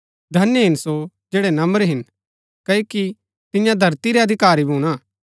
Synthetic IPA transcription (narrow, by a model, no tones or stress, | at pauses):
d̪ʱɐnjəɦɪnso | d͡ʒeːɽɛnɐmbəɾɦɪn | kɐoki | t̪ɪjãd̪ʱɐɾt̪iɾɛɐd̪ʱɪkaːɾibʱuːɽ̃aː